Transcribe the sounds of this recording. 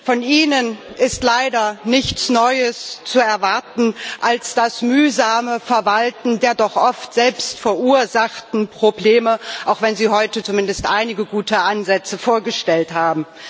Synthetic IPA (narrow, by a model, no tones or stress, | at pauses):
fɔniːnənʔɪstlaɪdɐnɪçt͡snɔʏəst͡suɛɐvaɐtn̩ʔalsd̥asmyːzaːməfɛɐvaltn̩deːɐdɔχʔɔftz̥ɛlpstfɛɐʔuːɐzaχtn̩pʁ̥obleːməʔaʊxv̥ɛnziːɦɔʏtət͡sumɪndəstʔaɪnɪɡəɡuːtʰəʔanzɛt͡səfoːɐɡəʃtɛlthaːbm̩